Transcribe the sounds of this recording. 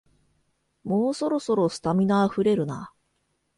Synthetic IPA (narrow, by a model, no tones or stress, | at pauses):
moːso̞ɾo̞so̞ɾo̞sɨ̥t̪amʲinaːɸɯ̟ɾe̞ɾɯ̟na̰